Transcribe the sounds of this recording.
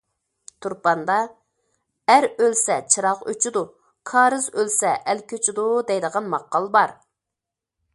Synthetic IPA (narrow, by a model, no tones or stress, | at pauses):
t̪ʰuɾpɑnd̪ɑ | æɾølsɛt͡ʃʰɨɾɑqø̰t͡ʃʰid̪u | kʰɑːɾɨzølsɛʔɛlkʲʰøt͡ʃʰid̪ud̪ɛjd̪əʁɑnmɑqːɑlˠbɑɾ